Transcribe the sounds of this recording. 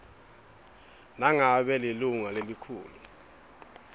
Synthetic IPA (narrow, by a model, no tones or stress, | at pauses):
naŋaɓɛliluŋalelikʰṵːlu